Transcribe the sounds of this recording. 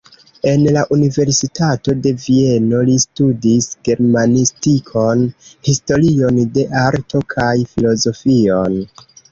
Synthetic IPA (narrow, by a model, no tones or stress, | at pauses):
e̞nlaʔunive̞ɾsitato̞de̞vie̞no̞listudisɡ̥e̞ɾmanistikʰo̞nhisto̞ɾio̞nde̞ʔaɾtʰo̞kʰajfilo̞zo̞fion